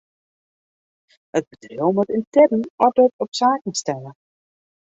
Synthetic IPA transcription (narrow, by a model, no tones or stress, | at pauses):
əd̚bədrewmɔtɪntɛrəɔdətɔpsaːkən̩stɛlə